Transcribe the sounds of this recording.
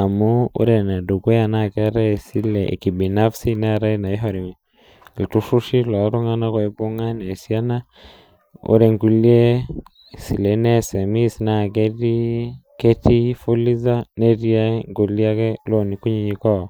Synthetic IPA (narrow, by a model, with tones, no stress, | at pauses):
a˨mu˦ṵ˦ɾe˨na˨du˨ɡe˦ja˨na˦˨ke˦ɾa˦˨si˦lḛ˨ki˨bi˨na˦fsi˦ne˦˨ɾa˦i˦na˨i˦ɦɔ˨ɾi˨ | ltu˦ʃu˦ʃi˦lɔ˨˦ɾu˦ŋa˦na˦kɔ˨e˦bu˦ŋa˦ne˨sia˦na˦ | ṵ˦ɾe˨ŋɡu˨li˦e˦ | si˨le˨nɛeː˦sɛ˨mi˦sna˨ke˦ti˦ke˦ti˦fu˦li˦za˦ne˦ɾi˦a˦ŋɡu˨li˦a˦kɛ˦lo˦˨ni˨ku˦ɲi˦ɲi˨kɔ˦˨